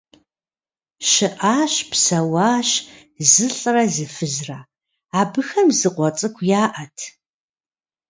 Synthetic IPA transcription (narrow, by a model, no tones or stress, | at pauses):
ʃɪʔaːɕpsɐwɑːɕ | zɨɬʼrɐzɨfɨzraː | aːbɨxɐmzɨqʷɔt͡sʼɨkʷʰjaːʔɐtʰ